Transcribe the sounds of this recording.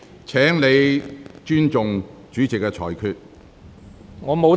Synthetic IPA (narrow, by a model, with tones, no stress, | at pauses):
t͡sʰɛː˨˥ŋle˨˧jt͡ʃyː˥nt͡sʊ˨ŋt͡ʃyː˨˥t͡sɪ˨kːɛ˧t͡sʰɔː˨˩jkʰyː˧t̚ | ŋɔː˨˧mo˨˧w